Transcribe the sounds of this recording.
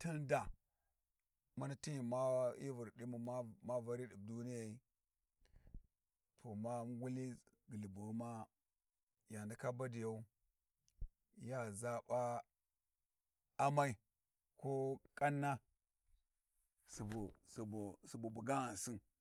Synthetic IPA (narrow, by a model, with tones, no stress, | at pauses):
ti˦nda˨ | ma˦na˦ti˦ji˨ma˦i˦vu˨ɾdi˦mu˨ma˦ma˦va˦ɾi˦di˨b̚du˦ni˦ja˨i˦ | tʰo˨ma˦ɡu˦li˦ | ɡə˨li˨bu˨˦ma˦ | ja˨ndi˨ka˦ba˦di˨ja˦u˦ | ja˦za˦ba˦ | a˦ma˦i˦ | ko˦kʼa˦nːa˦ | su˨bu˨su˨bu˨su˨bu˨bu˨ɡa˦ɣa˨n˨si˦n